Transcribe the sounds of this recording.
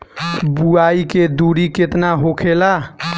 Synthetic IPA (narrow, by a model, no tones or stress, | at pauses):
buaiked̪uɽiket̪naɦokʰela